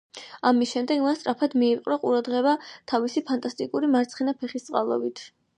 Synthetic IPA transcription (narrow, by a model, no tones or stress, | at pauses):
amisʃɛmd̪ɛɡmast̪ʼɾapʰad̪miːpʼqʼɾɔqʼṵɾad̪ʁɛβat̪ʰavisipʰant̪ʼast̪ʼikʼuɾimaɾt̪sʰχinapʰɛχist̪sʼa̰lˠɔ̰bit̪ʰ